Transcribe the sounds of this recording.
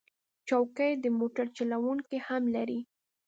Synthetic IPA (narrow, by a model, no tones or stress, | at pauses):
t͡ʃawkəjd̪əmoʈaɾt͡ʃalawuŋkihamlaɾi